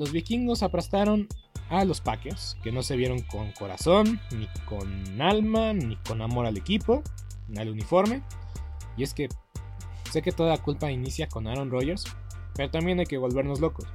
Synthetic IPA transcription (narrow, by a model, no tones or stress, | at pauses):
lo̞zβikiŋɡo̞saplast̪aɾo̞n | alo̞spakeɾske̞no̞se̞β̞je̞ɾo̞ŋko̞ŋko̞ɾa̰so̞nːiko̞nalmaniko̞namo̞ɾale̞kipo̞ | nalunifo̞ɾme̞ | ie̞ske̞ | se̞ke̞t̪o̞ðakulpainisjako̞naɾonro̞ʝe̞ɾs | pe̞ɾo̞t̪ambje̞najke̞βo̞lβe̞ɾno̞zlo̞ko̞s